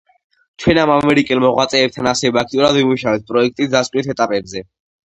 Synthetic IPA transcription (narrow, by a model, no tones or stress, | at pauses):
t͡ʃʰwɛnamamɛɾikʼɛlˠmɔʁwat̪sʼɛːp̚t̪ʰanasɛbɛak̚ʰt̪ʼiuɾad̪vimuʃavɛt̪̚pʼɾɔɛk̚ʰt̪ʼisd̪askʼnit̪ʰɛt̪ʼapʼɛbzɛ